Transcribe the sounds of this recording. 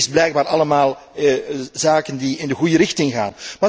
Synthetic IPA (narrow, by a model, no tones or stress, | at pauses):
sblɛjɡ̚baːɾɑləmaːlˠ | zaːkəndiɪndəɣujəɾɪxtɪŋɣa̰ːnmaː